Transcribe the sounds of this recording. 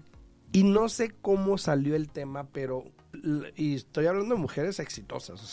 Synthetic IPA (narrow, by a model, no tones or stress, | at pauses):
ino̞se̞ko̞mo̞saljo̞elt̪e̞mape̞ɾo̞ | iest̪o̞jaβland̪oemuxe̞ɾe̞se̞ksit̪o̞̰sasos